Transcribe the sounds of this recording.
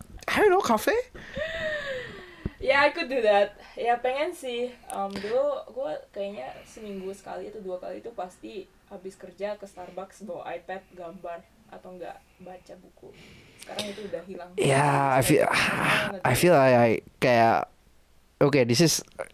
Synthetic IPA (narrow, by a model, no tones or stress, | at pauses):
adonokafe | jaːkududat̪̚japeŋɛnsɪhʔəmd̪uloɡuakajaɲasəmiŋɡusə̥ka̰liːt̪uduaka̰liːt̪upast̪i | habɪskərd͡ʒakəst̪arbaksbawa̰ʔajpɛt̪̚ɡambar | ʔa̰t̪awŋɡa̰ʔ | bat͡ʃabukṵ | sə̥kaɾaŋit̪uːdahɦilaŋjaajfḭ | ajfilaajkaja̰ | okedisɪs